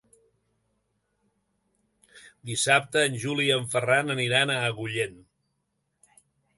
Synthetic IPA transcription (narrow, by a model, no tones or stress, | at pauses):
d̪isap̚t̪əːnʲʒuliəɱfəranəniɾanəɣuʎen